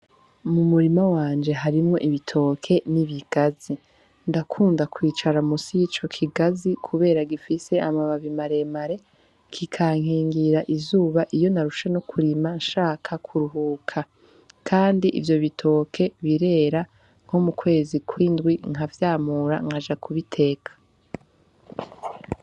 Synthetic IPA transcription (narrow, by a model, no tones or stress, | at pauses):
mumuɾimawaːnd͡ʒe̞ɦaɾimŋo̞ʔiβitʰo̞kʰe̞niβiɡ̥azi | ndakʰuːndakʰwiːt͡ʃaɾamusit͡ʃo̞kʰiɡazikʰuβe̞ːɾaɡifise̞amaβaβimaɾe̞maɾe̞ | kʰikʰaŋ̥heːŋɡiɾaʔizuːβaʔijo̞naɾuʃenokʰuɾimanʃaːkʰakʰuɾuɦukʰa | kʰaːndiʔḭvjo̞βitʰo̞ːkʰe̞βiɾe̞ːɾa | ŋ̥homukwe̞ːzikʰwiːndɡwiŋ̥ɦavjaːmuɾa̰ŋhad͡ʒakʰuβitʰe̞ːkʰḁ